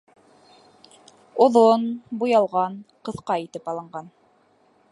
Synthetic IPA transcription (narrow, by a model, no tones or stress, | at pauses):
oðonbujɑlˠʁɑnqɤ̆θqɑit̪ɘpɑlˠɤ̆ɴɢɑn